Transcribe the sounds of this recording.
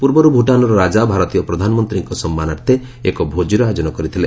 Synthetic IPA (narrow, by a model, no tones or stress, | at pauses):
puɾbɔɾubʱuʈanɔɾɔɾad͡ʒabʱaɾɔt̪ijɔpɾɔd̪ʱanɔmɔnt̪ɾiŋkɔsɔmːanaɾt̪ʰe | ekɔbʱod͡ʒiɾɔad͡ʒɔnɔkɔɾit̪ʰile